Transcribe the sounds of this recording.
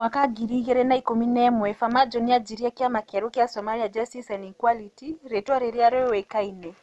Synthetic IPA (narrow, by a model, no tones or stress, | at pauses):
mwakaɡiɾiɣɛɾɛnaikuminɛmwɛfamad͡ʒɔniad͡ʒiɾiakiamakɛɾukiasɔmaliad͡ʒastisɛnikwalitiɾɛtwaɾɛɾiaɾɛwɛkainɛ